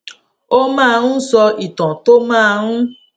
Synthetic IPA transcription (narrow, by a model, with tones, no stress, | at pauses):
o˦mãː˦˧ɾ̃ũ˦sɔ˧i˨tã˨to˦mãː˦˧ɾ̃ũ˦